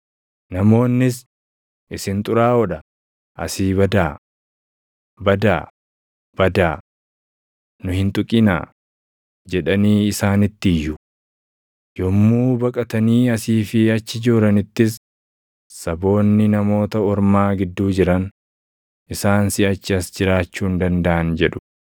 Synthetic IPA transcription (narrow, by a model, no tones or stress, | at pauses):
nɐmo̞ːnːɪs̬ | ʔɪsɪnt̪ʼʊɾaːɔᶑɐ | ʔɐ̰siːbɐd̪aː | bɐd̪aː | b̥ɐd̪aː | nʊhɪnt̪ʼʊkʼɪna̰ː | d͡ʒɛᶑɐniːɪsaːnɪt̪ːɪjːʊ | jɔmːuːbɐkʼɐt̪ɐniːɐsiːfɪɐt͡ʃːɪd͡ʒoːɾɐnɪt̪ːɪs̬ | sɐbo̞ːnːɪnɐmo̞ːt̪ɐɔɾmaːɡɪd̪ːuːd͡ʒɪɾɐn | ʔɪsaːnsɪɐt͡ʃːɪɐsd͡ʒɪɾaːt͡ʃːuːnd̪ɐnd̪ɐʔɐnd͡ʒɛᶑʊ̥